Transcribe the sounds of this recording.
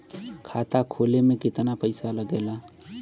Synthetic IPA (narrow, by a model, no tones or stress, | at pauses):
kʰat̪akʰolemẽkɪt̪napəɪsaləɡeːla